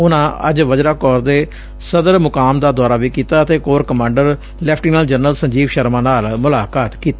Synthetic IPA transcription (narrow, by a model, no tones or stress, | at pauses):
ʊnãːə̰d͡ʒʋəd͡ʒɾaːkɔːɾd̪eː | səd̪əɾmʊkaːmd̪aːd̪aːɾaːʋiːkiːt̪aːət̪eːkoːɾkəmãːɳɖəɾ | lɛːpʰʈiːnəld͡ʒənəlsəɲd͡ʒiːʋʃəɾmãːnaːlmʊlaːkaːt̪kiːt̪ː